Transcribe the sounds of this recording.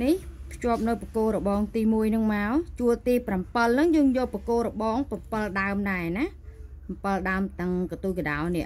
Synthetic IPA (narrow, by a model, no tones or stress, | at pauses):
nihpʰjŏəp̚nɨwprakoːlrəɓɑːŋt̪iːmuəjnɨŋmaɔt͡ɕuət̪iːprampəlnɨŋjəːŋjɔːlpakoːlrəɓɑːŋprampəlɗaəmɗaɛna | pmpəlɗaəmt̪ɨŋkət̪ukəɗaɔnɛ̆əʔ